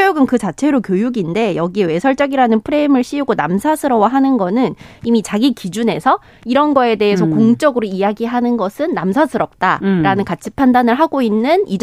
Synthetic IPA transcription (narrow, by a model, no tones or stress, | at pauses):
ojuɡɯnkɯt͡ɕat͡ɕʰe̞ɾokjojuɡinde̞jʌɡie̞we̞sʰʌɭt͡ɕ͈ʌɡiɾanɯnpʰɯɾe̞mɯɭɕ͈ʰiuɡonamsʰasʰɯɾʌwaɦanɯnɡʌnɯnimit͡ɕaɡikid͡ʑune̞sʰʌ | iɾʌnɡʌe̞de̞ɦesʰʌkoŋt͡ɕ͈ʌɡɯɾoijaɡiɦanɯnɡʌsʰɯnːamsʰasʰɯɾʌp̚t͈aɾanɯnkat͡ɕʰi̥pʰandanɯɭɦaɡoinːɯnid͡ʑ